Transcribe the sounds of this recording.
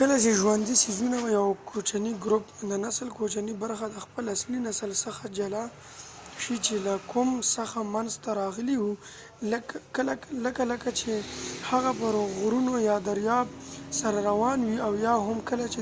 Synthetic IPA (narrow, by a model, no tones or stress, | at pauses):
kəlat͡ʃeʒwand̪isizunawajawkʰot͡ʃaniɡɾʊpd̪ənasəlkot͡ʃanibaɾxad̪əxpəlaslinasəlsəxad͡ʒala | ʃit͡ʃelakʰʊmsaxamanzt̪aɾɑɣəliwu | ləkkəlaləkaləkat͡ʃehaɣapəɾoɣɾunojɑd̪aɾjɑbsaɾaɾawɑnwiawjɑɦamkəlat͡ʃe